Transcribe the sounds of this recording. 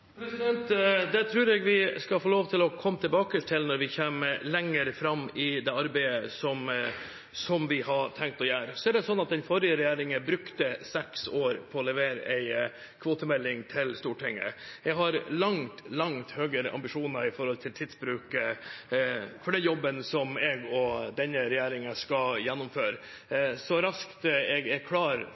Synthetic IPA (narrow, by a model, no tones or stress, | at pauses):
pʰɾɛsɪd̪ɛnt̪d̪ɛt̪ʰɾʉːɾɛɡʋɪskɑlfoːloːʋt̪ʰɪlɔkʰɔmːət̪ʰɪlbɑːkəʈʰɪlnɔɾʋɪçeːməlɛŋːəɾfɾɑmːɪd̪ɛɑɾbæɪəsɔm | sɔmʋɪhɑɾʈ̪ʰɛŋk̚t̪ɔjæːɾsɔɛɾɖd̪ɛsɔnːɑt̪̚d̪ɛnfɔɾɪəɾɛjæːɾɪŋəbɾʉkt̪əsɛksoːɾpʰɔːlɛʋeːɾə̰ʔæɪ | kʰʋoːt̪əmɛlːɪŋt̪ʰɪlst̪uːʈʰɪŋːə̰ɛɡɦɑɾlɑŋt̪lɑŋt̪høːɡəɾɑ̰mbɪʂuːnəɾɪfɔɾhɔlt̪ʰɪlt̪ʰɪd̪sbɾʉːk | fɔɖɛjɔbːənsɔmɛɡɔd̪ɛnːəɾɛjæːɾɪŋəskɑljɛnːʊmføːɾ | sɔɾɑskt̪ɛɡɛɾkʰlɑːɾ